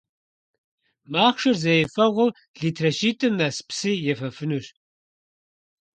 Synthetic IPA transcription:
maːχʂɨrzɐjɛfɐʁʷʊ | ɮiːtʰrɐʃiːtʰʼɨnɐspsijɛfɐfɨnuɕ

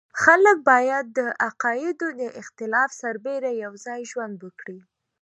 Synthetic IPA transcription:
xalək̚bɑjad̪̚ːəʔaqɑjɪd̪od̪əʔɪxt̪ɪlɑfsaɾbeɾajawzɑjʒwand̪wəkɽi

